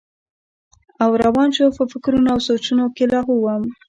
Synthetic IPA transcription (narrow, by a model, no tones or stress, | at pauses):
awɾawɑnʃopəfɪkɾunoawsot͡ʃunokelɑɣuwəm